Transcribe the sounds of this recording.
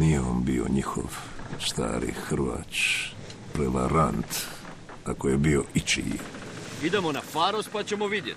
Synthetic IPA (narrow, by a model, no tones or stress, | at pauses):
nijeombio̞̰ɲixo̰ʋst̪a̰ːɾḭxr̩ʋa̰ːt͡ʃ | pɾe̞ʋa̰ɾant̪ | akojebio̞ʔit͡ʃḭj | id̪emo̞nafaːɾospat͡ɕemoʋid̪jet̪